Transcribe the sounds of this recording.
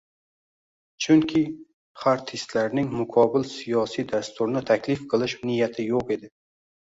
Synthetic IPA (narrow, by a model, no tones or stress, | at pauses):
t͡ʃʰʊŋkʲʰɪ | χaɾt̪ʰɪst̪laɾnɪŋmʊqʰɒbɪlsijɒsijd̪ast̪ʰʊɾnɪt̪ʰakʰʲlɪfqʰɨlˠɪʃnɪjat̪ʰɪjoqe̞d̪ɪ